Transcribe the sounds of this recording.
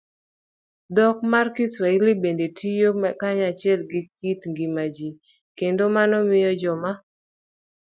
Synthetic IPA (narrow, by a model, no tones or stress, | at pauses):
dɔk̚markɪswailibendetʰijomkaɲat͡ʃɪɛlɡɪk̚itŋɡimad͡ʒi | kendomanɔmɪjɔd͡ʒɔma